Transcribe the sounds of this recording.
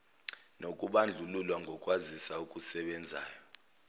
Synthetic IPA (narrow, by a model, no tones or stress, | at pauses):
nokʼuɓand͡ɮʱululwaŋɡʱɔkʼwazisaukʼusɛɓɛnd͡zʱa̰ːjɔ